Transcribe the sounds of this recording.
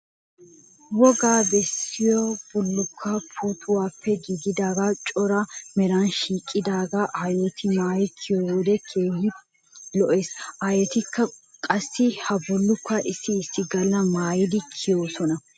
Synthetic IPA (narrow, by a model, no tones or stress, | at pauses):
wɔɡaːbɛsːɪjɔb̥ʊlːʊkʰːɐpʰuːt̪ʰʊwaːpʰːɛɡiɡɪd̪aːɡat͡ʃʼɔɾɐmɛɾɐnʃiːkʼːɪd̪aːɡaʔajɔt̪ɪmaːjɪkʰɪjɔwɔd̪ɛkʰeːɦɪ | lɔʔeːsʔajɔt̪ɪkːɐkʼɐsːɪhɐbʊlːʊkːɐʔɪsːɪːsːɪɡɐlːɐmaːjɪd̪ɪkʰɪjoːsɔnɐ